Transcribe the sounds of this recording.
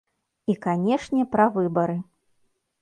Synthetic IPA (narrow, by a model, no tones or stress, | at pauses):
ikanʲɛʂnʲɛpɾɐvɨbɐɾɨ